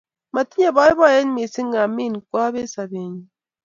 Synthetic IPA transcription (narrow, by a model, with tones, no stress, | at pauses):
ma˨ti˦ɲe˦˨bɔ˦i˦bɔ˦˨je˦n˦mi˨si˦ŋa˨mi˦˨n˨kwa˦be˦sa˨be˨ɲi˨